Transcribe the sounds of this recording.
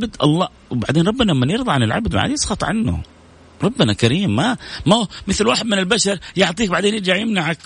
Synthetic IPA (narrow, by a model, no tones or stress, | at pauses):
bd̪ʔɑ̰lˤːɑː | wba̰ʕd̪eːnɾˤɑbːɪnaamːanjɪɾˤðˤɑʕanɪlʕa̰bd̪ma̰ʕa̰d̪jsˤxɑt̪ˤʕa̰nːʊ̰ | ɾˤɑbːɪnakaɾiːmːamamɪθlwaːħɪd̪mɪnɪlbaʃɑɾˤjʊʕt̪ˤiːk̚baʕd̪eːnjɪd͡ʒaʕjɪmnaʕak